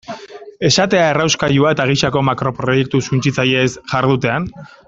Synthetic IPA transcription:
e̞sat̪e̞aerawskaʎuae̞t̪aɣ̞iʃako̞makɾo̞pɾo̞je̞k̚t̪usunt͡sit͡saje̞sʝaɾð̞ut̪e̞an

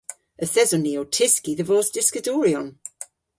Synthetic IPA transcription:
əθɛzɔniːɔwtʰɪskiðəvɔːsd̥ɪskədɔɾjɔn

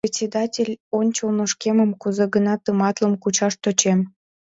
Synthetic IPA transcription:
pʲet͡sʲed̪ɑtʲelʲonʲt͡ɕolnoʃkeməmkuzeɣənɑt̪əmɑt̪ləmkut͡ɕɑʃt̪ot͡ɕem

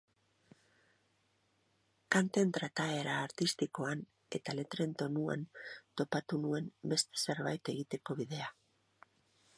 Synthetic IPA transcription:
kant̪e̞nt̪ɾat̪ae̞ɾaːɾt̪ist̪iko̞an | e̞t̪ale̞t̪ɾe̞nt̪o̞nua̰nt̪o̞pat̪unue̞mbe̞st̪e̥se̞ɾβa̰jt̪e̞ɣ̞it̪e̞ko̞βiðe̞a

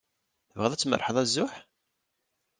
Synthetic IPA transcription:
θəvʁðˤæt͡sːmə̰rˤħəðˤæzːʊħ

